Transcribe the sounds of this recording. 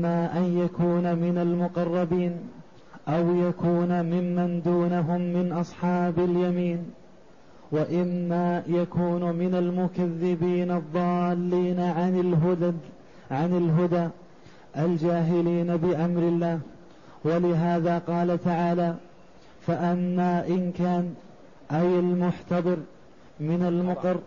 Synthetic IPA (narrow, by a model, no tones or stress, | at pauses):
aːʔanjakuːnamɪnalmʊqɑrˤːɑbiːn | ʔawjakuːnamɪmːand̪uːnaɦʊmːɪnʔɑsˤħɑːbaljamiːn | waʔɪmːaːjakuːnmɪnalmʊkaðːɪbiːnɑðˤːɑːlːiːn | ʕanɪlɦʊd̪aː | ʔald͡ʒaːɦɪliːnabɪʔamɾɪlːaːh | walɪɦaːðaːqɑːlat̪aʕaːlaː | faʔamːaːʔɪnkaːn | ʔajalmʊħt̪ɑd̪ˤɨɾ | mɪnalmʊqɨɾ